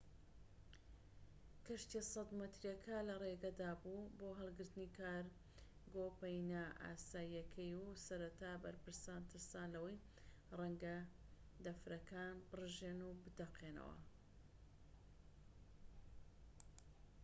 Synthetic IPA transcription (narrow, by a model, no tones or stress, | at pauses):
kʰɐʃt̪esɐd̪mɨt̪ɾjɐkʰɐlɐreɡɐd̪aːbuːboːɦɨlˠɡɨɾt̪ɨniːkʰaːɾ | ɡoːpɐjnaʔa̰ːsaːjiɐkʰɐjusɐɾɐt̪aːbɐɾpɨɾsaːnt̪ʰɨɾsaːnlɐwɐj | rɛŋɡɐ | d̪ɐfɾɐkaːnbɨrɨʒeːnubɨd̪ɐqʰeːnɐ̰wɐ̰